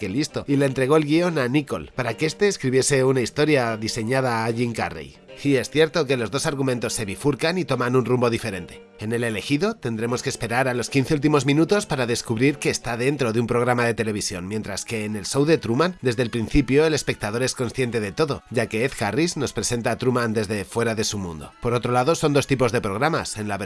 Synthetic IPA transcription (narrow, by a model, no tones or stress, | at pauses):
kelist̪oile̞ːnt̪ɾe̞ɣ̞o̞elɣio̞naniko̞̰lpaɾakeest̪e̞ːskɾiβje̞se̞unaist̪o̞ɾjaðise̞ɲað̞aːʝiŋka̰rḛj | iesθje̞ɾt̪o̞ke̞lo̞zðo̞saɾɣumẽ̞nt̪o̞sːe̞βifuɾkanit̪o̞mãnunrumbo̞ðife̞ɾe̞nt̪e̞̥ | ene̞le̞le̞xiðo̞t̪e̞nd̪ɾe̞mo̞skeːspe̞ɾaɾalo̞skin̟θe̞ult̪̬imo̞zmĩnut̪o̞spaɾaðe̞skuβɾiɾke̞ːst̪aðe̞nt̪ɾo̞ðeumpɾo̞ɣɾamaðe̞t̪e̞le̞β̞isjo̞nmje̞nt̪ɾaske̞ːne̞lso̞wðe̞t̪ɾumãnd̪e̞zðe̞lpɾinθipjo̞e̞le̞spe̞k̚t̪að̞o̞ɾe̞sko̞nsθjent̪e̞ðe̞t̪o̞ðo̞ɟ͡ʝake̞ːθkarizno̞spɾe̞se̞nt̪aːt̪ɾumãnd̪e̞zðe̞fwe̞ɾaðe̞sumṵ̃nd̪o̞̰po̞ɾo̞t̪ɾo̞laðo̞so̞nd̪o̞st̪ipo̞zðe̞pɾoɣ̞ɾamase̞nlaβe